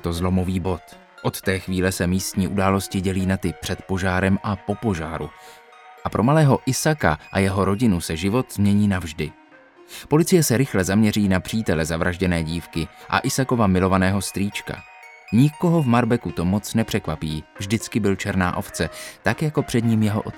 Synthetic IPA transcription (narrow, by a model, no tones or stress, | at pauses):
t̪o̞zlo̞mo̞viːbo̞t̪ | ʔo̞t̪t̪ɛːxviːlɛsɛmiːst̪ɲiːʔudaːlo̞scɪɟɛliːnat̪ɪpr̥ɛt̪po̞ʒaːɾɛmʔapo̞po̞ʒaːɾu | ʔapɾomalɛːɦo̞ʔɪsaka̰ʔajɛɦo̞ɾo̞ɟɪnusɛʒɪvo̞t̪zmɲɛɲiːnavʒdɪ | po̞lɪt͡sɪjɛsɛɾɪxlɛzamɲɛriːnapr̝̥iːt̪ɛlɛzavɾʔaʒɟɛnɛːɟiːfkɪʔa̰ʔɪsako̞vamɪlo̞vanɛːɦo̞st̪ɾiːt͡ʃka̰ | ɲɪko̞ɦo̞vmaɾbɛkut̪o̞mo̞t͡snɛpr̥ɛkvapiːvʒdɪt͡skɪbɪlt͡ʃɛɾna̰ːʔo̞ft͡sɛt̪akjako̞pr̥ɛdɲiːmjɛɦoʔo̰t̪